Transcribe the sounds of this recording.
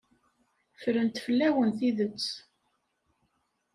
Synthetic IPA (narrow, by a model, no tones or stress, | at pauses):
fəɾənt̪fəlːæwənθiðət͡sː